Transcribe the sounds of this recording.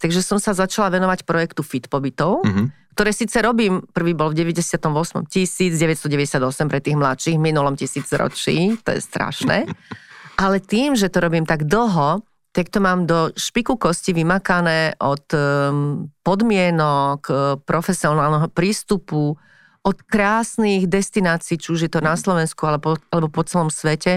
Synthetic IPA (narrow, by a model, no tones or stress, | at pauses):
t̪aɡʒɛsɔmsazat͡ʃalaʋɛnɔʋacpɾɔjɛkt̪ufit̪pɔbit̪ɔʊkt̪ɔɾɛːsiːt͡sɛɾɔbiːmpr̩ʋiːbɔlvɟɛʋɛɟɛsɪat̪ɔmʋɔsmɔ̰mcisiːd͡zɟɛʋɛtst̪ɔɟɛʋɛɟɛsɪad̪ɔsɛmpɾɛt̪iːɣmlat̪ʃiɣminulɔmcisiːd͡zɾɔ̰t͡ʃḭːt̪ɔ̰jɛ̰st̪ɾa̰ʃnɛ̰ | ʔalɛt̪iːmʒɛt̪ɔɾɔbiːmt̪aɡd̪l̩ɦɔ | t̪akt̪ɔmaːmd̪ɔʃpikukɔsciʋimakanɛːʔɔt̪ | pɔd̪mɪɛnɔkpɾɔfɛsiɔnaːlnɛɦɔpɾiːst̪upu | ʔɔt̪kɾaːsniɣd̪ɛst̪inaːt͡siːt͡ʃiuʒjɛt̪ɔnaslɔʋɛnskualɛpɔalɛbɔpɔt͡sɛlɔmsʋɛcɛ